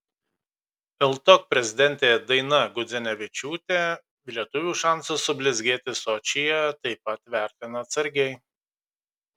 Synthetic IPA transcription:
pʲɛlˠt̪oːk̚pʲɾʲɛzʲɪd̪ʲɛnʲˑt̪ʲeːɛd̪ɐɪnɐɡʊd̪zʲɛnʲɛʋʲɪt͡ʃʲuːt̪ʲe | ʋʲlʲiɛt̪ʊʋʲuːʃɑˑnsʊsʊbʲlʲɪzʲɡʲeːt̪ʲɪsoːt͡ʃʲɪjɛt̪ɐɪpɐt̪ʋʲæˑɾʲt̪ʲɪnɐːt̪sɐɾʲɡʲɛɪ

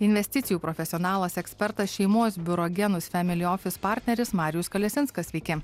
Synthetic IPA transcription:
ɪnʲʋʲɛsʲt̪ʲɪt̪sʲɪjuːpɾɔfʲɛsʲɪɔːnɑːlˠɐsɛksʲpʲɛɾt̪ɐsʃʲɛɪmoɔsbʲʊɾɔɡʲɛnʊsfʲɛmʲɪlʲɪɔːfʲɪspɑˑɾʲt̪ʲnʲɛɾʲɪsmɑːɾʲɪjʊskɐlʲɛsʲɪnskɐsʲʋʲɛɪkʲɪ

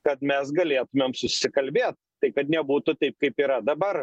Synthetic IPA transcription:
kɐt̪mʲɛsɡɐlʲeːt̪ʊmʲeːmsʊsʲɪkɐlʲbʲeːt̪̚ | t̪ɐɪkɐt̪nʲɛbuːt̪ʊt̪ɐɪp̚kɐɪpiːɾɐd̪ɐbɐr

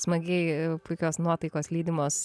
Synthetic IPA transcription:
smɐɡʲɛɪpʊɪkʲoːsnuɔt̪ɐɪkoːslʲiːd̪ʲɪmoːs

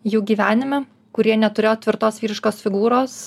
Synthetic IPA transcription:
juːɡʲiːʋʲæːnʲɪmʲɛ | kʊɾʲiɛnʲɛt̪ʊɾʲeːjoːt̪ʲʋʲɪɾt̪oːsʋʲiːɾʲɪʃkoːsfʲɪɡuːɾoːs

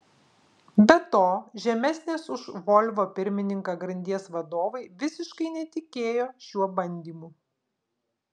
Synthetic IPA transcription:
bʲɛt̪oːʒʲɛmʲɛsʲnʲeːsʊʃʋɔlʲʋoːpʲɪɾʲmʲɪnʲɪŋkɐɡɾɐnʲd̪ʲiɛsʋɐd̪oːʋɐɪʋʲɪsʲɪʃkɐɪnʲɛt̪ʲɪkʲeːjoːʃʲuɔbɐnʲd̪ʲiːmu

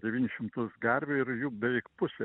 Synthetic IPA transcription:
dʲɛʋʲiːnʲɪʃʲɪmt̪ʊsɡɐɾʲʋʲeːɪɾjuːbʲɛʋʲɛɪkpʊsʲe

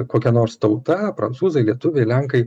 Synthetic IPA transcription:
koːkʲɛnoːrɾst̪ɐʊt̪ɐpɾɐnt̪suːzɐɪlʲiɛt̪ʊʋʲeɪlʲæŋkɐɪ

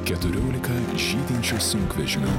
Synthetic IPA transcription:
kʲɛt̪ʊɾʲoːlʲɪkɐ | ʒʲiːd̪ʲɪnʲt͡ʃʲoːsʊŋkʋʲɛʒʲɪmʲʊ

